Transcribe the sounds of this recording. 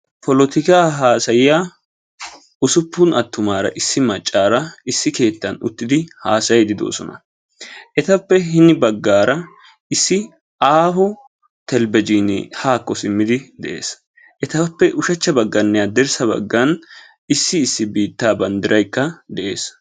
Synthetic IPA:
pʰɔlɔt̪ɪkaːɦaːsɐjɪja | ʊsʊpːʊnɐt̪ːʊmaːɾɐ̰ʔɪsːɪmɐt͡ʃʼːaːɾɐɪsːɪke̞ːt̪ːɐnʊ̰t̪ːɪd̪ɪhaːsɐjd̪ɪd̪o̞̰ːsɔnɐ̰ | ʔɛt̪ɐpːɛɦɪnɪbɐɡːaːɾɐ | ɪsːɪ | ʔaːfɔ | t̪ɛlbɛd͡ʒiːnɪ̰haːkːɔsɪmːɪd̪ɪd̪ɛʔe̞̰ːs | ʔɛt̪ɐpːɛʔʊʃɐt͡ʃːɐbɐɡːɐnːɛjad̪ɛɾsɐbɐ̰ɡːɐn | ɪsːɪːsːɪbiːt̪ːaːbɐnd̪ɪɾʔɐjkːɐd̪ɛʔe̞ːs

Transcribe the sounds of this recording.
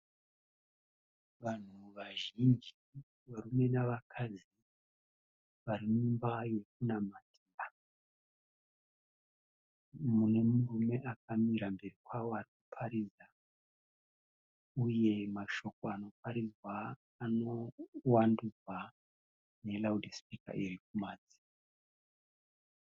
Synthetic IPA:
ʋan̤uʋaʒind͡ʒi | ʋaɾume̞naʋakʰad͡zi | ʋaɾimumbaje̞k̚unamadia | mune̞murume̞ʔak̚amiɾambe̞rikwawoarikupʰaɾiza | uje̞maʃo̞ko̞ano̞paɾizwaː | no̞wandud͡zwa | ne̞laudʱispika̰iɾik̚umaːd͡zi̥

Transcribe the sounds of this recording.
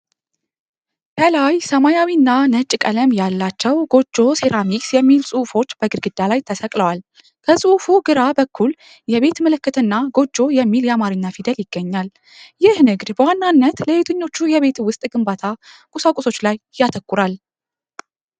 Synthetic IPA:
kʰəlajsəmajawinːanət͡ʃʼkʼələmjalːat͡ʃːɛwɡo̞d͡ʒːo̞seɾamiksjɛmːilsʼufo̞t͡ʃːb̥əɡɨɾɡɨd̪alajt̪ʰəsəkʼləwal | kʰəsʼufuɡɨɾabəkʰːul | jɛβe̞t̪mələkːɨt̪ʰɨnːaɡo̞d͡ʒːo̞jɛmːiljɛamaɾɨɲːafid̪əljɪɡ̥ːəɲːal | jɪhnɨɡd̪bəwanːanːət̪ləjet̪ʰəɲːo̞t͡ʃːujɛβe̞t̪wʊst̪ʼɡɨmbat̪ʰakʼusakʼuso̞t͡ʃːlajːat̪ʰəkʷːuɾal

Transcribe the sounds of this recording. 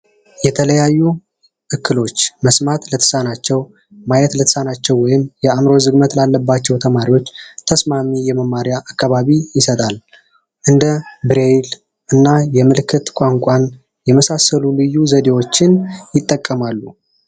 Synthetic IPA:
jɛt̪ʰələjajːu | ʔɨkːɨlo̞t͡ʃːməsmat̪lət̪ʰə̥sanat͡ʃːɛw | majɛt̪lət̪ʰə̥sanat͡ʃːɛwwːɔjɪmjɛamɾo̞zɨɡmət̪lalːəbːat͡ʃːɛwt̪ʰəmaɾiwo̞t͡ʃːt̪ʰəsmamijɛməmaɾijaʔakːaβaβijɪsət̪ʼal | ʔɨnd̪əbɨɾel | ʔɨnːajɛmɨlkʰɨt̪kʷʼaŋkʷʼan | jɛməsasːəlulɨjuzəd̪e̞wo̞t͡ʃːɪnjɪt̪ʼːəkʼːəmalːu

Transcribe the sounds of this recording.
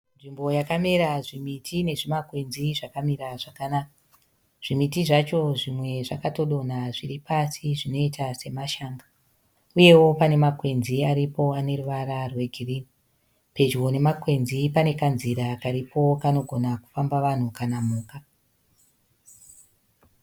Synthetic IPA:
nʐimbo̞jakameɾaʐimitʰine̞ʐimakwe̞nziʐakamiɾaʐ̥akanaka | ʐ̥imitiʐat͡ʃo̞ʐimwe̞ʐakato̞ɗo̞n̤aʐiripʰasiʐino̞itase̞maʃaːŋɡa | uje̞wo̞pane̞makwe̞nziaɾipo̞ane̞ruʋaɾarwe̞ɡʱiriːni | pe̞d͡ʒwo̞ne̞makwe̞nzipane̞kanziɾakaɾipo̞kano̞ɡʱonaku̥fambaʋan̤ukanamuːka

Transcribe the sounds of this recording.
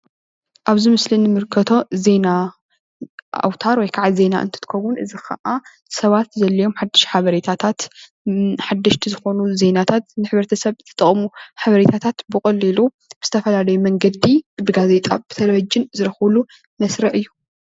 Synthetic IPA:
ʔaβzɨmɨslinɨmɨɾkʰɐt̪ʰo̞ze̞na | a̰wt̪ʰaɾwɔjkʰaʕalze̞na̰ʔɨ̰nt̪ʰɨ̥t̪ɨ̥kʰɐwunʔɨzixʰɐ̰ʔa | sɐβat̪zɐlːɐjo̞mħad̪ːɨʃħaβɐɾet̪ʰat̪ʰat̪ | ħad̪ːɐʃt̪ʰizɨxo̞nuze̞nat̪ʰat̪nɨħɨβɾɐt̪ʰɐsɐβɨt̪ʰɐ̥t̪ʼɐχʼmuħaβɐɾet̪ʰat̪ʰat̪bɨkʼɐlːilu | b̥ɨz̥ɨt̪ʰɐfɐlalɐjumɐŋɡɐd̪ibɨɡaze̞t̪ʼa̰b̥ɨt̪ʰɐlɐβɐd͡ʒɪnzɨɾɐxɨlu | mɐsɾɐʔɨjːu

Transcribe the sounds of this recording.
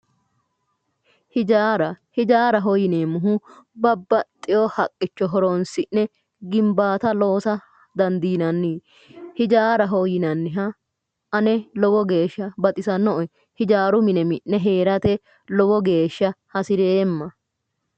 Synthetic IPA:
hɪd͡ʒaːɾɐhɪd͡ʒaːɾɐɦɔjɪneːmʊɦʊbɐbːɐt̪ʼːɪjɔhɐkʼːɪt͡ʃːɔɦɔɾonsɪnːɛ | ɡɪmbaːt̪ɐlo̞ːsɐ | d̪ɐnd̪iːnɐnːiː | hɪd͡ʒaːɾɐɦɔjɪnɐnːɪɦɐ | ʔɐnɛlɔwɔɡe̞ːʃːɐbɐt̪ʼɪsɐnːɔʔɔ | hɪd͡ʒaːɾʊmɪnɛmɪʔːɛɦe̞ːɾɐt̪ɛ | lɔbɔɡe̞ːʃːɐhɐsɪɾeːmːɐ

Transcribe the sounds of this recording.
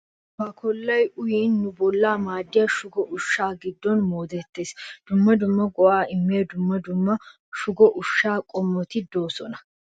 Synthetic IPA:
bɐkɔlːɐjʊjiːnːʊbɔlːaːmaːd̪ːɪjɐʃʊɡɔʔʊʃːaːɡɪd̪ːɔnmoːd̪ɛt̪ːe̞ːsd̪̥ʊmːɐd̪ʊmːɐɡɔʔaːɪmːeːd̪ʊmːɐd̪ʊmːɐ | ʃʊɡɔʔʊʃːaːkʼɔmːɔt̪ɪd̪oːsɔnɐ̥

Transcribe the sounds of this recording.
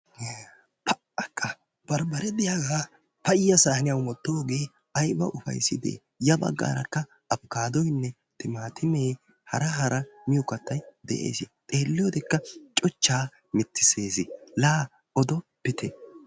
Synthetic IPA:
pʰɐ | ɐkʼːɐ | b̥ɐɾbɐɾɛd̪ɪjaːɡaː | pɐjɪjɐsaːhɐnɪjɐwmɔt̪ːo̞ːɡe̞ː | ɐjbɐ̰ʔʊfɐ̰jsːɪd̪ḛː | jɐbɐ̰ɡːa̰ːɾɐkːɐ | ɐbkaːd̪ɔjnːɛ | t̪ɪmaːt̪ʰɪmeː | hɐɾɐɦɐɾɐmɪjɔkːɐt̪ːɐjd̪ɛ̰ʔḛːsɪt̪ʼe̞ːlːɪjɔd̪ɛkːɐt͡ʃʼɔt͡ʃːaː | mɪt̪ːɪseːsɪlaː | ɔd̪ɔb̥ɪt̪ɛ

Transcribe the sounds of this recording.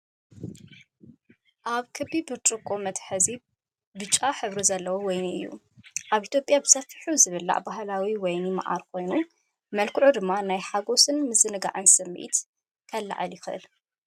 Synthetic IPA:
ʔaβkʰɨbːibɨɾt͡ʃʼɨkʼomɐt̪ħɨzi | bɨt͡ʃʼːaħɨβɾizɐlːɐwowɔjniɨ̰jːṵ | ʔaβit̪ʰjo̞pʼjabɨsɐfiħuzɨβɨlːa̰ʔbaɦlawiwɔjnima̰ʔa̰ɾkʰo̞jnu | mɐlkʰɨʕud̪ɨmːanajħaɡo̞sɨnmɨzɨnɨɡa̰ʕɨnsɨmːʔḭt̪ | kʰɐlːa̰ʕa̰ljɪxɨʔɨ̰l

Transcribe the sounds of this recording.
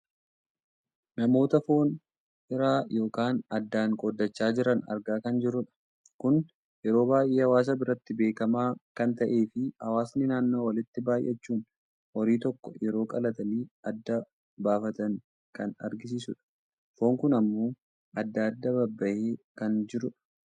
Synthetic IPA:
nɐmo̞ːt̪ɐfo̞ːn | ɪɾaːjo̞ːkaːnɐd̪ːaːŋkʼod̪ːɐt͡ʃːaːd͡ʒɪɾɐnɐ̰ɾɡaːkɐnd͡ʒɪɾʊᶑɐ̥ | kʊn | jɛɾo̞ːbaːjʔeːhɐwaːs̬ɐbɪɾɐt̪ːɪbe̞ːkɐmaːkɐnt̪ɐʔe̞ːfɪhɐwaːsnɪnaːnːo̞ːwɐlɪt̪ːɪbaːjʔɛt͡ʃːuːn | wɔɾiːt̪ɔkːɔ̰jɛɾo̞ːkʼɐlɐt̪ɐliːɐd̪ːɐ | baːfɐt̪ɐŋ | kɐnɐ̰ɾɡɪs̬iːsʊᶑɐ̥ | fo̞ːŋkʊnɐmːo̞ː | ɐd̪ːɐɐd̪ːɐbɐbːɐʔeːkɐnd͡ʒɪɾʊᶑɐ̥

